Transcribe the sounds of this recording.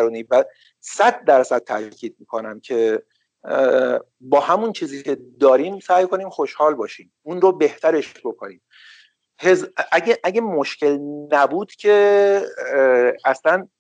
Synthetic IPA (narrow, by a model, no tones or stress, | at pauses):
ɾuːniːvæ | sæd̪̚ːæɾsæd̪̥̚t̪ʰæ̰cʰiːd̪̚miːkʰonæmcʰe̞ | bɒːhæmunt͡ʃʰiːziːcʰe̞d̪ɒːɾiːmsæːjkʰo̞niːmxo̞ʃhɒːlbɒːʃiːmunrobe̞ht̪ʰæɾe̞ʃbo̞kʰo̰niːm | hezæɡeʔæɟemoʃce̞lnæbuːd̪̥cʰe̞ | æslæn